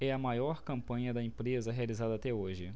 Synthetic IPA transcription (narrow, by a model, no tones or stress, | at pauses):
ɛɐmajɔɾkɐ̃mpɐ̃ɲɐd̪ɐẽpɾezɐɦealizad̪ɐaːt̪ɛoʒɪ